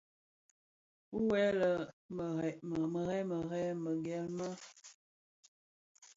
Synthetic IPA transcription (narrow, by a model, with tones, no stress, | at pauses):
u˦wɛ˨˦lə˨m˨mə˨ɣɛ˦mə˨ɣɛ˦mə˨ɡɛ˨lmə˦